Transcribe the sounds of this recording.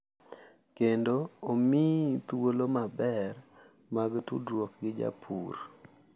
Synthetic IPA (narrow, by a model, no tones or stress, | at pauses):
kendoːmit̪wolomabɛr | maɡtṵdwokɡɪd͡ʒa̰pʰṵr